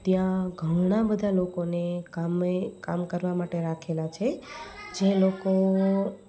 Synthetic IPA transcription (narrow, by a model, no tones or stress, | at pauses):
t̪jãɡʱəɽɽ̃abəd̪ʱalokonekamekamkəɾʋamaʈeɾakʰelat͡ʃʰed͡ʒeloko